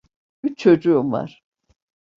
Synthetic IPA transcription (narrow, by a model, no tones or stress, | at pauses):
yt͡ʃt͡ʃʰːod͡ʒuva̰ɾ̥